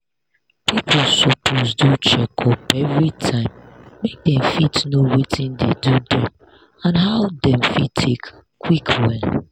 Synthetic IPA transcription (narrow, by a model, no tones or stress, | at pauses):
pʰipʰl̩sɔpʰozdut͡ʃɛkʰɔpɛvɹitʰãɪ̃mːek̚dɛ̃mfitnowitʰĩndḛdudɛ̃m | ãnɦaʊdɛ̃mfitʰek | kʰwikʰwɛl